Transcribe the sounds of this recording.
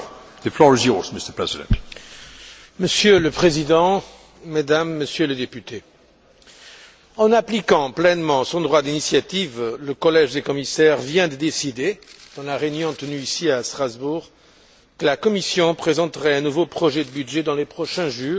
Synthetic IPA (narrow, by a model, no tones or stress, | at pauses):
d̪̥əflɔɹɪzjɔzmɪstəpʰɹɛzɪdə̰̃nt | məsjøləpχezid̪ɑ̃ | mad̪amːəsjøləd̪epyt̪e | ɑ̃naplikɑ̃plɛnmɑ̃sɔ̃d̪ʁwad̪inisjat̪ivləkɔlɛʒd̪ekɔmisɛʁvjɛ̃d̪əd̪esid̪ed̪̥ɑ̃laʁeynjɔ̃t̪ənyisiast̪χazbuːʁ | kəlakɔmisjɔ̃pχezɑ̃t̪əʁɛɛ̃nuvopχɔʒɛd̪əbydʒɛd̪ɑ̃lepχɔʃɛ̃ʒyː